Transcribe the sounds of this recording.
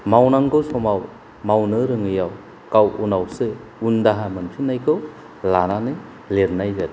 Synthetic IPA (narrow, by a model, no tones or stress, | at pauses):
mawnaŋɡɯwsɔmaw | mawnɯɾɯŋɯjaw | kawunawsɯ | undaɦamɯnpʰinːajkʰɯw | lananɯ | leɾnajɡa